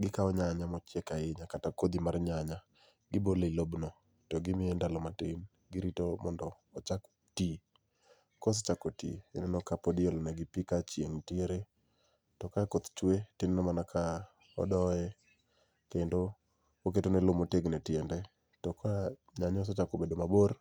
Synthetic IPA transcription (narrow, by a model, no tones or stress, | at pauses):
ɡɪkaɔɲaɲamɔt͡ʃjɛkaɪɲakatakod̪imarɲaɲa | ɡɪboleilobnɔ | tɔɡɪmɪendalɔmatɪn | ɡɪɾitomɔndɔːt͡ʃak | ti | kɔs̬ɔt͡ʃakɔtḭenɛnɔkapodɪɔlɔnɛɡɪpikat͡ʃjeŋtieɾe | tɔkakot̪t͡ʃwetɪnnɛmanakʰa | ɔ̰dɔɛ | kendo | oketonɛlʊmoteɡnɛtɪɛndɛ | tɔka | ɲaɲɔs̬ɔt͡ʃakobedomaboɾ